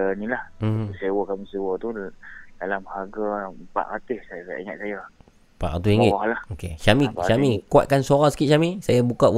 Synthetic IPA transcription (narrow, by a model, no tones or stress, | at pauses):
ənilah̩sawəkamisewət̪udalamhaɡapa̰ʔat̪ɪhsasaʔiŋat̪̚saja | pa̰ʔa̰t̪̬uiŋɪahlahokḛʃamiʃamikua̰t̪̚kansoɾahsə̥kit̪̚ʃamisajabukaʔ